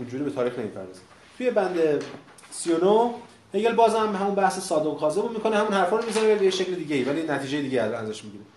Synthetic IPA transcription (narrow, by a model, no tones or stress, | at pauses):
ind͡ʒuːɾibe̞t̪ʰɒːɾixne̞miːpʰæ̰ɾd̪ɒːze | t̪ʰuje̞bænd̪e | siono | heɡelbɒːzæmhæmunbæhsesɒːd̪oɡxɒːzebumikʰo̞nehæmunhæɾfɒːɾomizæneebejeʃecled̪iːɟeiːvælinæt̪ʰiːd͡ʒe̞jed̪iːɟeiææzæʃmiɟiːɾe